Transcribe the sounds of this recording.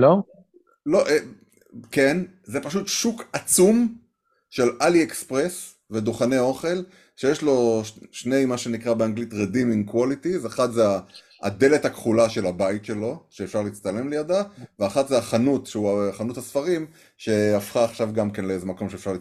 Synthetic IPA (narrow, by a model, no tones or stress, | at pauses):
lo | loʔe | ken | zepaʃutʃukat͡sum | ʃe̞laliekspʁes | ve̞d̪oχaneo̞χe̞l | ʃejeʃlo̞ʃne̞jmaʃe̞nikʁabeaŋɡlitʁediminkwolitizaχatzea | a̰d̪e̞le̞takχulaʃe̞labaitʃe̞lo̞ʃeːfʃaʁliit͡st̪ale̞mlejad̪aveaχat̪zeaχanutʃeuaχanuthasfaʁim | ʃe̞afχaːχʃavɡamke̞nleezemako̞mʃefʃaʁli